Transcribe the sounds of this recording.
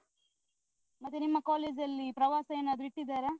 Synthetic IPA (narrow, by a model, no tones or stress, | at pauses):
mɐt̪ːenimːɐkaːleːd͡ʒɐlːipɾɐʋaːsɐeːnaːd̪uiʈːid̪ːaːɾe